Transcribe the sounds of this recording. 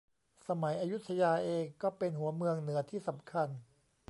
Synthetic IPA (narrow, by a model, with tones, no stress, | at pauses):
sa˧ma˩˦jʔaː˧ju˦˥t̪ʰːa˧jaː˧ʔeː˧ŋkɔː˥˩pe˧nɦu˩˦ɐmɯ˧əŋnɯ˩˦ɐt̪ʰiː˥˩sa˩˦mkʰa˧n